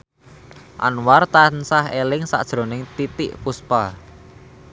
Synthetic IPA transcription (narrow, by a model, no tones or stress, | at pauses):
ʔa̰nwart̪ansahelɪŋsa̰ʔd̥ʒ̥ɾo̤nɪŋt̪it̪ɪʔpuspa